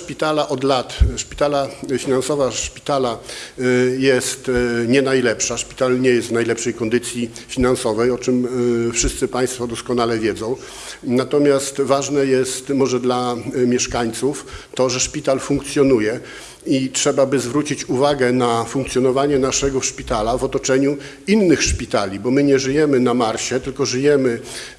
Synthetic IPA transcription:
ʂpʲit̪alaʔɔd̪lat̪ʂpʲi̥t̪alafʲinansɔvaʂpʲi̥t̪ala | jɛst̪ɲɛnajlɛpʂaʂpʲi̥t̪alɲɛjɛst̪najlɛpʂɛjkɔnd̪ɘt̪sʲjifʲinansɔvɛjɔt͡ʂɘmfʂɘst̪sɘpaj̃st̪fɔd̪ɔskɔnalɛvʲjɛd̪zɔ̃w̃ | nat̪ɔmʲjast̪vaʐnɛjɛst̪mɔʐɛd̪lamʲjɛʂkaɲt̪suft̪ɔʐɛʂpʲit̪alfuŋkt̪sʲjɔn̪ujɛ | itʂɛbabɘzvɾut͡ɕit͡ɕuvaɡɛnafuŋk̚t̪jɔn̪ɔvaɲɛnaʂɛɡɔfʂpʲit̪alavɔt̪ɔt͡ʂɛɲu | inːɘxʂpʲit̪alʲibɔmɘɲɛʐɘjɛmɘnamaɾɕɛt̪ɘlkɔʐɘjɛmɘ

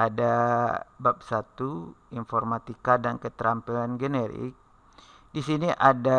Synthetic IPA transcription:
ada | bap̚sat̪uinfɔrmat̪ikadankət̪ɾampɛlanɡənɛɾḭk̚ | disiniʔada

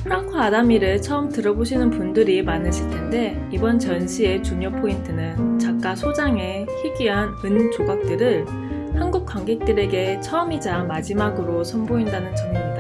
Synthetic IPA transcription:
ɸʰɯɾaŋkʰɯadamiɾɯɭt͡ɕʰʌɯmtɯɾʌboɕʰinɯnpundɯɾimanɯɕʰiɭtʰe̞nde̞ | ibʌnt͡ɕʌnɕʰie̞t͡ɕuɲopʰointʰɯnɯnt͡ɕak̚k͈asʰod͡ʑaŋe̞ | çʰiɡiɦanɯnd͡ʑoɡak̚t͈ɯɾɯɭ | hanɡuk̚k͈waŋɡe̞k̚t͈ɯɾe̞ɡe̞t͡ɕʰʌɯmid͡ʑamad͡ʑimaɡɯɾosʰʌnboindanɯnt͡ɕʌŋɲoɲida

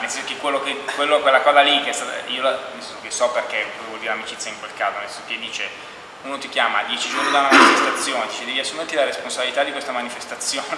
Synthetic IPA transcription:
nelsɛnsokekːwelːokekwelːokwelːakɔːzalikːeɛst̪aːt̪a̰iolanelsɛnsokesɔperkezevwɔld̪iɾeamit͡ʃit̪sjaiŋkwelkaːzonelsɛnso̥ked̪ːiːt͡ʃe | uːnot̪ik̟jaːma̰d̪jɛt͡ʃid͡ʒornid̪aunamanifest̪at̪sːjoːned̪iːt͡ʃed̪ɛːviasːumert̪ilaɾesponsabilit̪ad̪ːikwest̪amanifest̪at̪sːjoːn

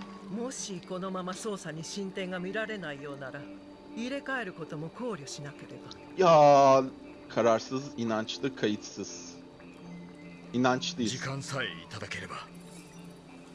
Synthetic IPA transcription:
mo̞ɕiko̞no̞mamaso̞ːsaɲ̟iɕĩnt̪ẽ̞ŋɡamʲiɾaɾe̞naijo̞ːnaɾa | iɾe̞kae̞ɾɯ̟ko̞t̪o̞mo̞kʰo̞ːɾʲjoɕinakʲe̞ɾe̞ba | jaː | kʰaɾaɾsɯzinant͡ʃlˠɯkʰːajɯt̪sɯz̥ | inant͡ʃlˠɯzikãñsaiit̪at̪ake̞ɾe̞ba

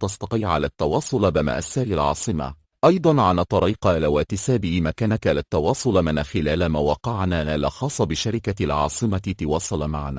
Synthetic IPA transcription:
t̪ɑst̪ɑqiːʕa̰laːt̪ːɑwɑːsˤʊlbɪma̰ʔasːaːlɪlʕɑ̰ːsˤɨma̰ | ʔɑjd̪ˤɑnʕanat̪ˤɑɾˤiːqʔalawaːt̪ɪsaːbɪʔmakaːnakaːlat̪ːɑwɑːsˤʊlmɪnaxɪlaːlamawɑqɑʕnaːalɑxɑːsˤːɑbɪʃaɾɪkalʕɑ̰ːsˤɨmat̪ɑwɑːsˤɑlamaʕana̰ː

